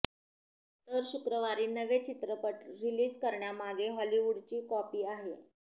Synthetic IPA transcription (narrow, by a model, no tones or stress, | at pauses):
t̪əɾɕukɾəʋaɾiːnəʋet͡ɕit̪ɾəpəʈɾiliːd͡zkəɾɳjamaɡeɦɔliʋuɽt͡ɕiːkɔpiːaɦḛ